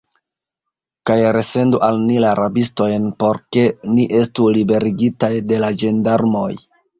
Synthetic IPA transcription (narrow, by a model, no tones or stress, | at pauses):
kajɾe̞se̞nduʔalnilaɾʔabisto̞jnpo̞ɾke̞niʔe̞stulibe̞ɾiɡitajde̞lad͡ʒe̞ndaɾmo̞j